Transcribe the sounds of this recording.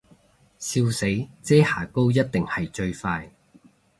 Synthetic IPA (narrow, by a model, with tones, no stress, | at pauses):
siː˧wse˨˥jt͡sɛː˥haː˨˩ko˥wjɐ˥t̚t̪ɪ˨ŋhɐ˨jt͡ʃɵ˧ɥfaː˧j